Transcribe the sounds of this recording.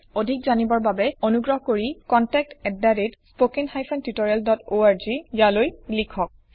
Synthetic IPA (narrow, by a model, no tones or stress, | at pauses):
odʱik̚zanibɔɹbabɛonuɡɹɔɦɔkoɹikɔntɛk̚tɛdːaɹitspokinxajpʰɔntutɔɹialdɔtoaɹzijalojlikʰɔk̚